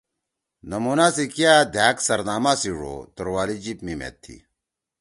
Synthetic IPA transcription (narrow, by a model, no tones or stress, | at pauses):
nɐmuːnaːsikjaːd̪ʱaːksɐɾnaːmaːsiɻo̰ːt̪oɾwaːlid͡ʑipmimḛt̪ʰːḭ